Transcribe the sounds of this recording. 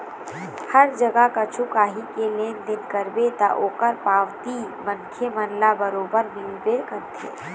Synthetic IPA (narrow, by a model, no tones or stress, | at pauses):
hɐɾd͡ʒɐɡakat͡ʃʰʊkaːɦikelẽːnd̪ɪnkəɾbet̪a̰ʔoːkəɾpaːʋt̪imənkʰemɐnlabəɾoːbəɾmɪlbeːɾkəɾt̪ʰḛː